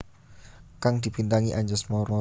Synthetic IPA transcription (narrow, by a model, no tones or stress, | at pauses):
kaŋd̪̥i̤b̥int̪aŋiʔaɲd͡ʒɔsmɔɾmɔ